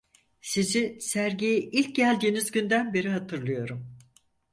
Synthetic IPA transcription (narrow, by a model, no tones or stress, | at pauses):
sizisæɾɟijiʔilʲc̚ɟælʲɟ̪enizɟynd̪ænbe̞ɾiɦat̪ʰɯɾlˠɯjo̞ɾum